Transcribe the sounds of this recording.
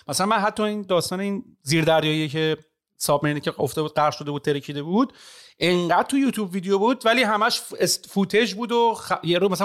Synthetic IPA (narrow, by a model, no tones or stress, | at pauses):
mæsælænmænɦæt̪ʰːɒːiːnd̪ɒːst̪ɒːneiːn | ziːɾd̪æɾjɒːjijece | sɒːbmeinicʰeoft̪ebuːd̪̚ɢæɾʃo̞d̪ebud̪̚t̪ʰeɾecʰiːd̪ebuːd̪̥ʔeŋɢæd̪̥̚t̪ʰujuːt̪ʰjuːbviːd̪ejobuːd̪væliːɦæmæʃesfuːt̪ʰe̞d͡ʒbuːd̪ojeɾomæsæ